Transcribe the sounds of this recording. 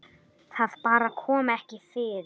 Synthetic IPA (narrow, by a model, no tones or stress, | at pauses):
θaðpaːɾakʰɔːmaɛhcɪfɪɾ